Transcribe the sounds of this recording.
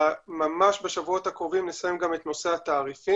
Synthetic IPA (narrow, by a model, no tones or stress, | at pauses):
mamaʃbe̞ʃavuo̞t̪hakʁo̞vimnesajemɡame̞tno̞se̞at̪aːʁifi